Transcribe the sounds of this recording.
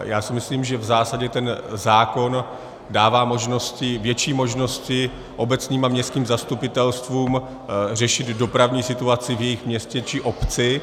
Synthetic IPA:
jaːsɪmɪsliːmʒɛvzaːsaɟɛt̪ɛnzaːko̞n | daːvaːmo̞ʒno̞scɪvjɛt͡ʃiːmo̞ʒno̞scɪ | ʔo̞bɛt͡sniːmamɲɛst̪kiːmzast̪upɪt̪ɛlst̪vuːm | r̝ɛʃɪd̪do̞pɾavɲiːsɪt̪uat͡sɪvjɛjɪxmɲɛscɛt͡ʃɪʔo̞pt͡sɪ

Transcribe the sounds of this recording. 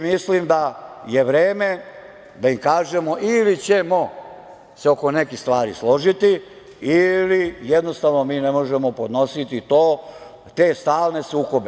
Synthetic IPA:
mislimd̪ajeʋɾeːme | d̪aimkaːʒe̞mo̞ʔilit͡ɕe̞mo̞ | seo̞ko̞nekixst̪ʋaːɾḭslo̞ʒit̪i | ilijed̪no̞st̪aʋno̞miːnemo̞ʒe̞mo̞po̞d̪no̞sit̪it̪oː | t̪e̞ːst̪aːlne̞suːko̞be

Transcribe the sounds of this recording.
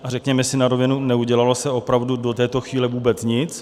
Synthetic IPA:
ʔarɛkɲɛmɛsɪnaɾovɪnunɛuɟɛlalosɛo̞pɾavdudo̞t̪ɛːt̪o̞xviːlɛvuːbɛt͡sɲɪt͡s

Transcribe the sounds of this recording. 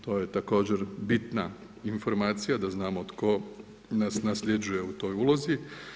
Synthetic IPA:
t̪o̞ːje̞t̪ako̞ːd͡ʑe̞ɾbit̪na | info̞ɾmaːt̪sijad̪aznaːmot̪ko̞ | nasnasʎed͡ʒuje̞ut̪o̞ːjuːlˠozi

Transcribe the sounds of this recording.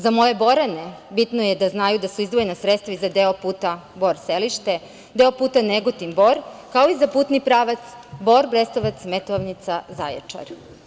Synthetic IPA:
zamo̞je̞bo̞ɾanebit̪nojed̪aznaːjud̪asuizd̪ʋojenasɾet̪st̪ʋaizad̪eopuːt̪abo̞ɾseliʃt̪e̞ | d̪e̞opuːt̪aneɡot̪imbo̞ɾkaoizapuːt̪nipɾaːʋat̪sbo̞ɾbɾest̪oʋat̪smet̪oʋnit̪saza̰jḛt͡ʃa̰ɾ

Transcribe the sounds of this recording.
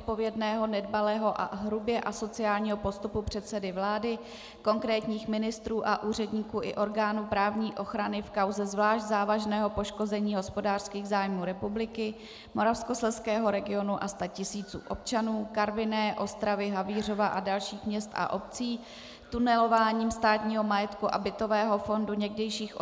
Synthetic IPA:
ot̪̚po̞vjɛdnɛːɦo̞nɛdbalɛːɦo̞ʔa̰ɦɾubjɛʔaso̞t͡sɪaːlɲiːɦo̞po̞st̪upupr̝̥ɛt̪sɛdɪvlaːdɪ | ko̞ŋkɾɛːt̪ɲiːxmɪnɪst̪ɾuːʔaʔuːr̝ɛdɲiːkuːʔɪ̰ʔo̞ɾɡaːnuːpɾaːvɲiːʔo̞xɾanɪfkawzɛzvlaːʃɟzaːvaʒnɛːɦo̞po̞ʃko̞zɛɲiːɦo̞spo̞daːr̥skiːɣzaːjmuːɾɛpublɪkɪ | mo̞ɾafsko̞slɛskɛːɦo̞ɾɛɡɪo̞nuʔast̪acɪsiːt͡sṵːʔo̞p̚t͡ʃanuːkaɾvɪnɛːʔo̞st̪ɾavɪɦaviːr̝o̞vaʔadalʃiːxmɲɛst̪ʔa̰ʔo̞pt͡siː | t̪unɛlo̞vaːɲiːmst̪aːt̪ɲiːɦo̞majɛt̪kuʔa̰bɪt̪o̞vɛːɦo̞fo̞nduɲɛɡdɛjʃiːxʔ

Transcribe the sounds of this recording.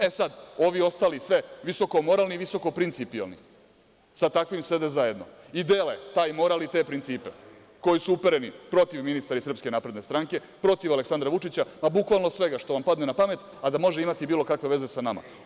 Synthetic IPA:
esad̪o̞ʋio̞st̪alisʋe̞ʋiso̞ko̞mo̞ɾaːlˠniʋiso̞ko̞pɾint̪sipialnḭ | sat̪akʋimse̞d̪ezaje̞d̪no̞̰ | id̪eːlet̪aːjmo̞ɾalnit̪eːpɾint̪siːpe | ko̞jisuupeɾenipɾo̞t̪iʋminist̪aɾisr̩pskenaːpɾe̞d̪ne̞st̪ɾaŋke̞ | pɾo̞t̪iʋale̞ksand̪ɾaʋut͡ʂit͡ɕamabukʋalˠno̞sʋe̞ɡaʃt̪oʋampad̪nenapame̞t̪ | ad̪amo̞ʒeimat̪ibiːlˠo̞kakʋe̞ʋe̞ze̞sanama̰

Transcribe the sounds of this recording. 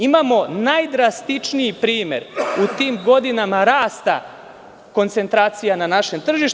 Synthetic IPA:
imamo̞najd̪ɾast̪it͡ʂnijipɾiːme̞̰ɾut̪iːmɡo̞d̪inamaɾaːst̪a̰ | ko̞nt̪se̞nt̪ɾaːt̪sijananaʃe̞mt̪r̩ʒiʃ

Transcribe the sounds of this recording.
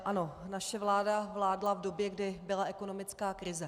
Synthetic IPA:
ʔano̞naʃɛvlaːdavlaːdlavdo̞bjɛɡdɪbɪlaʔɛko̞no̞mɪt͡skaːkɾɪzɛ

